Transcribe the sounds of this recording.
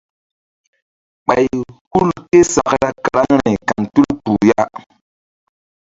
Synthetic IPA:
ɓa˨jhu˦lke˦sa˨kɾa˦ka˨ɾa˦ŋɾa˨jka˨ŋtu˦lpu˨ja˦

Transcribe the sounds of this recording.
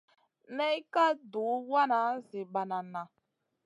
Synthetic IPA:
nɛ˦i˦ka˦du˨˦wa˦na˨˦zi˨ɓa˨na˨na˨

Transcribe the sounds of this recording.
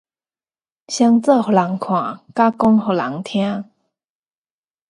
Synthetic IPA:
ɕja˥ŋt͡sɤ˥˧xo˨˩la˨˧˥ŋkʰwã˨˩˦ka˥kʊ˥ŋxo˨˧˩la̰˧˥ŋt̪ʰja˥n

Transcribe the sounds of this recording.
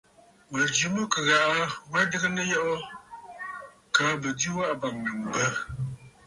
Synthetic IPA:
mə˨d͡ʒi˨mɨ˦kɨ˨ɣa˨ʔa˦wɛ˦dɨ˦ɣə˦nə˦jɔ˦ʔo˦ | kaː˨˦bə˨di˦wa˦ʔba˨ŋnɨ˨m̩˨bə˦

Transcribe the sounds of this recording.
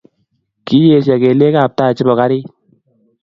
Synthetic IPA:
ki˦je˨sɛ˨ke˨le˦ka˨p̚taː˦˨t͡ʃɪ˦bɔ˨ka˦ɾɪ˦

